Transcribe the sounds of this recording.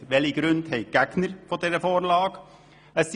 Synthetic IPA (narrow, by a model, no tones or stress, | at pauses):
ʋɛliɡ̥ɾʉndhɛɪɡ̥æɡ̥nəɾfɔdɛɾəfoːɾlɑːɡ̥ | əs